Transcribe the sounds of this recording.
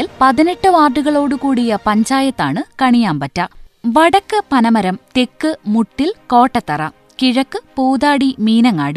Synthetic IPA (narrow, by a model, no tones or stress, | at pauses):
lpɐðineʈːɨʋaːrɖuɣɐɭo̞ːɽɨkuːɽijɐpɐɲd͡ʑaːjɐt̪ːa̰ːɳɨkɐɳijaːmpɐtːɐʋɐɽɐkːɨpɐnɐmɐɾɐmt̪e̞kːɨmuʈːilko̞ːʈːɐt̪ːɐrɐ̰ | kiɻɐkːɨpoːðaːɽimiːnɐŋːa̰ːɽi